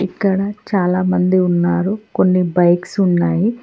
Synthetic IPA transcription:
ikːɐɽɐt͡ʃaːlaːmɐnd̪iunːaːɾuko̞nːibɐjksunːaːji

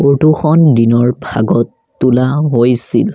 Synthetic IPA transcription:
oɹtuxɔndinɔɹbʱa̰ɡɔtːulaɦojsḭl

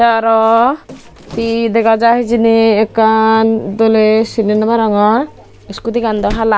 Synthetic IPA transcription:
aɾɔ | t̪id̪ekad͡ʒaɦid͡ʒiniːkːand̪olesinenamaɾaŋɔ | iskut̪ikand̪ɔɦala

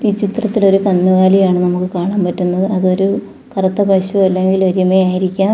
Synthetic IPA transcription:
iːt͡ɕit̪rɐt̪ːilo̞ɾukɐnːuʋaːlijaːɳɨnɐmukːɨkaːɳaːmpɐtːunːɐðɨɐðo̞ɾu | kɐrɐt̪ːɐpɐɕuɐlːe̞ŋɡilo̞ɾimejaːjiɾikʲːaː

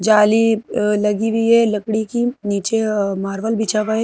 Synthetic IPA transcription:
d͡ʒaːlilɐɡiʋʱielɐkɽikiniːt͡ʃemaːɾʋəlbit͡ʃakaɦe

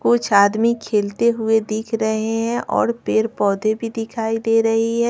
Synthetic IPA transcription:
kʊt͡ʃʰaːd̪mikʰeːlt̪eɦʊed̪ɪkʰɾɐɦeɦɛ̃ʔɔ̰ːɾpeːɾpɔːd̪ʱebʱid̪ɪkʰaːid̪eːɾɐɦiɦɛː

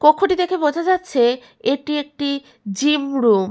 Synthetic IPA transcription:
kokʰːoʈid̪ekʰebod͡ʑʱad͡ʑatːɕʰe | eʈiek̚ʈi | d͡ʑimɾum

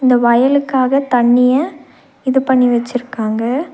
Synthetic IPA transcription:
ɪnd̪ɐʋɐjɐlɯkːaːɣɐt̪ɐɳːɪjɐ | ɪðɯpɐɳːiʋɛt͡ʃːɪɾɯkːaːŋɡɐ

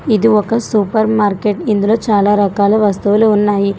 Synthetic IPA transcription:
id̪uɔkːɐsupɐɾmaːɾkeʈind̪ulɐt͡ʃaːlaːɾɐkaːlɐʋɐst̪uʋɐleunːaːji

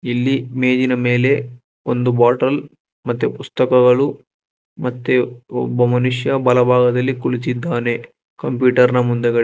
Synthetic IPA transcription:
ilːimeːd͡ʒinɐme̞ːle̞ | ond̪ubaːʈɐl | mɐt̪ːepust̪ɐkɐɡɐɭu | mɐt̪ːeɔbɐmɐnuʂjɐbɐlɐbʱaːɡɐd̪ɐlːikuɭit͡ʃid̪ːaːne | kɐmpjuːʈɐɾnɐmund̪ɐɡɐ

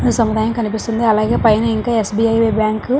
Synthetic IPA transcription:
isɐmud̪aːjɐmkɐnipist̪und̪iɐlaːɡe̞ːpɐjnɐiŋkaːesbiɐjʋebjaːŋk

